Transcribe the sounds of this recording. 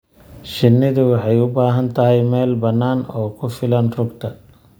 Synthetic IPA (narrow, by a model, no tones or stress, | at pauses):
ʃɪnːɪðʊwɑħɑjʊbaːɦɐnt̪ʰɐɦɛjmɛːlbɐnːaːnɔːkʰʊfɪlɐnrʊɡt̪ʰɐ